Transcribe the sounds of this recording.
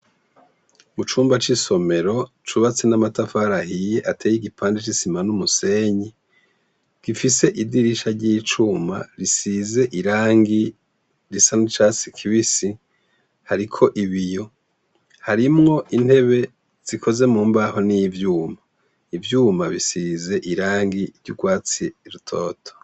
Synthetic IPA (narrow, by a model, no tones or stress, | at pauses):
mut͡ʃuːmbat͡ʃiso̞me̞ɾo̞t͡ʃuβat͡senamatafaɾahije̞ʔatʰejiɡipʰaːndit͡ʃisimanumuse̞ɲi | ɡ̥ifise̞ʔidiɾiʃaɾɟit͡ʃuːma̰ɾisize̞ʔiɾaːŋɡi | ɾisanut͡ʃaːsi̥kʰiβisi | haɾikʰo̞ʔiβijo̞ | haɾimŋo̞ʔin̥he̞βe̞ | z̥ikʰo̞ze̞muːmbaho̞nijivjuːma | ivjuːmaβisize̞ʔiɾaːŋɡiɾɟuɡwaːt͡siɾutʰo̰ːtʰo̥